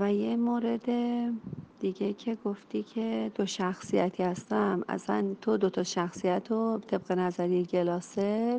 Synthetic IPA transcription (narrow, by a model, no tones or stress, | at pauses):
væjemoːɾe̞d̪e | d̪̥iɟe̞cʰe̞ɡo̞ft̪iːcʰe̞d̪̥oʃæxsijæt̪ʰihæst̪æmʔæ̰sæ̰nt̪ʰod̪ot̪ʰɒʃæxsijæt̪ʰot̪ʰe̞b̥̚ɣe̞næzæɾijeɟe̞lɒːseɾ